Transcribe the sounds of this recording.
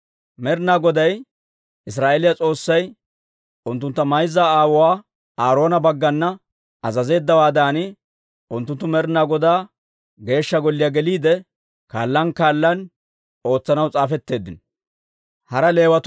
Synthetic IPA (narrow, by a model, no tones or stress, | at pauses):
mɛɾɪnaːɡɔd̪ɐj | ɪs̬ɾaːʔelɪjɐt͡sʼo̞ːsːɐj | ʔʊnt̪ːʊnt̪ːɐmɐjzːaaːwɔwaː | aːɾo̞ːnɐbɐɡːɐnːɐ | ɐzɐze̞ːd̪ːɐwaːd̪aːnɪ | ʊnt̪ːʊnt̪ːʊmɛɾɪnaːɡɔd̪aː | ɡe̞ːʃːɐɡɔlːɪjaːɡɛliːd̪ɛ | kaːlːɐnkaːlːɐn | o̞ːt͡sːɐnɐwt͡sʼaːfɛt̪ːe̞ːd̪ːɪnɔ | hɐɾɐle̞ːwɐt̪